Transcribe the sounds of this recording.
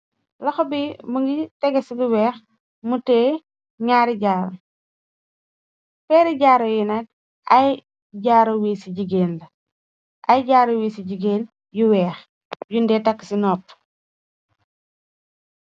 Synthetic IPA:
lɐxɔbimuŋɡitɛɡɐsiɡuwɛːx | mutɛː | ɲaːɾiɟaːɾo | pɛːɾiɟaːɾɔjinat̚ | ɐj | ɟaːɾowiːsiɟiɡeːndɐ | ʔɐjɟaːɾowiːsiɟiɡeːn | juwɛːx | jundɛːtɐkːi̥sinɔːp

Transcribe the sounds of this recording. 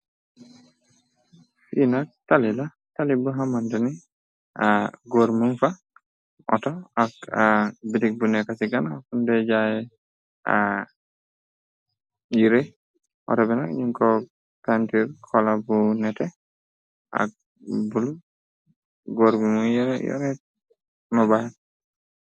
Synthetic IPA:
finak̚talila | talibuɦamandani | aɡoɾmunfa | ʔɔ̰tɔakabidik̚bunɛkasiɡanakundɛd͡ʒajɛ | a̰ | jiɾe | ʔɔ̰tɔbɛnakjiŋkɔ | kantiɾkʰɔlabunɛtɛ | a̰k̚ | bulu | ɡoɾɡumujɛɾjɔ̰ɾɛt̚ | mɔbahɛt

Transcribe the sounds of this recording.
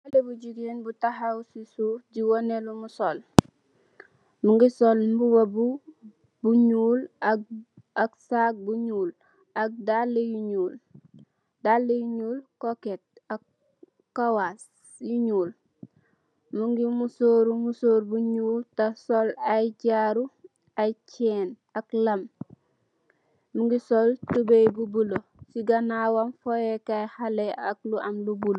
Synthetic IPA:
alebuɟiɡenbutaɦawsisufɟiwonelumusol | muŋɡisolmbuwabu | buɲuːl | aksaɡ̚buɲuːl | ak̚dalːejuɲuːl | dalːejuɲuːlkoket̚akː | awas | juɲuːl | muŋɡimusoɾumusoːɾbuɲuːltasolajɟaɾu | ajt͡ʃɛːn | aklam | muŋɡisoltubejbubulosiɡanawanfojekajhaleak̚luamlubul

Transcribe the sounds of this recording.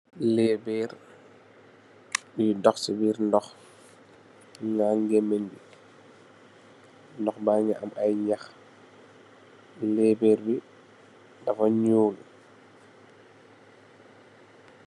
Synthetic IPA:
lɛːbɛːɾ | bidɔxsibiːɾndɔx | ŋaŋɡɛmɛɲbi | ndɔxbaɲaʔamajɲax | lɛːbɛːɾbi | dafaɲuːlu

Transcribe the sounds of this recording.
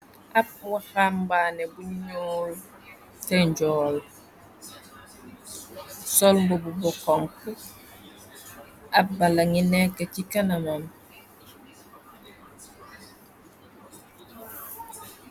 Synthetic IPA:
ap̚wahambaːnebuɲɲoːl | teɲɟɔːl | solmbobubɔkoŋku | abalaŋinekecikanamam

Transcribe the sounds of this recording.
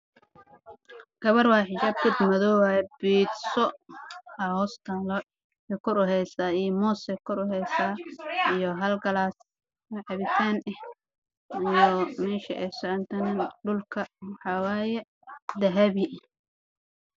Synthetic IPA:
ɡ̥ɐβɐrwɑːħɪt͡ʃaːb̚kɪd̪mɐðɔwajɛbiːd̪sɔ | ɐhɔːst̪ʰaːlɔ | ɛkʰʊɾʊɦɛjsaːijɔmɔːsɛkʰʊɾʊɦɛjsaːijɔɦɐlɡɐlaːs | wɛʕɑβɪsaːnɛh | ijɔmɛːʃɐʔɛjsɔʕɐnt̪ʰɐnɛɖʊlkʰɐwɑħɑwɑːjɛ | d̪ɐɦɐβi

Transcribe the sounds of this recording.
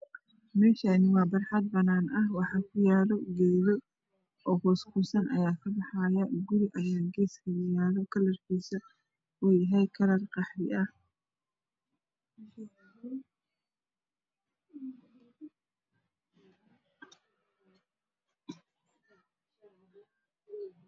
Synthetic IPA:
mɛːʃanɪwɑːbɑrħɑd̪̚bɐnaːnʔɐhwɑħɑːkʰʊjaːlɔɡɛːlɔ | ɔːkɔːskʰuːsɐnʔɐ̰jaːkʰɐbɑħɑjɐɡʊɾɪʔɐjaːɡɛːskʰɐjʊjaːlɔkʰɐlɐrkʰiːsɐ | uːjɐɦɛjkʰɐɾɐrqɑħɾɪɐh

